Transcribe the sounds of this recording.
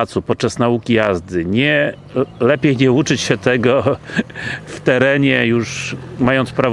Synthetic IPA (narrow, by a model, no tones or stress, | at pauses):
t̪supɔt̪̚t͡ʂasnaukʲijazd̪ɘɲɛ | lɛpʲjejɲɛut͡ʂɘt͡ɕɕɛt̪ɛɡɔ | ft̪ɛɾɛɲɛjuʂmajɔnt̪spɾav